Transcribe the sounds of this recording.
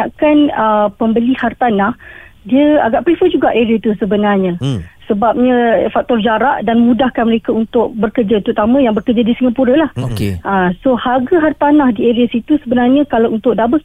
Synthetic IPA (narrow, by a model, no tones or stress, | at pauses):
aʔkanəpəmbəlihart̪anahdiəa̰ɡaʔpɾifəd͡ʒuɡaʔeɾiat̪usəbənarɲãsəbap̚ɲãfak̚t̪ɔrd͡ʒaɾaʔdanməmũdahkanməɾekaunt̪ʊk̚bərkərd͡ʒat̪ɾut̪amə̃jaŋbərkərd͡ʒadisiŋɡapuɾəlahokeasohaɡaɦart̪anahdieɾiasit̪usəbənarɲãkalawunt̪ʊʔ̚dabə